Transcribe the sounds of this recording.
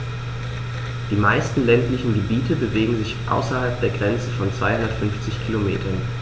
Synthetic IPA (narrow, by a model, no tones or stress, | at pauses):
d̥iːmaɪstn̩lɛntlɪçn̩ɡəbiːtəbəveːɡŋ̩zɪçʔa̰ʊsɐhalp̚d̥eːɐɡʁɛnt͡səfɔnt͡sv̥aɪhʊndɐtfʏnft͡sɪçkʰilomḛːtʰɐn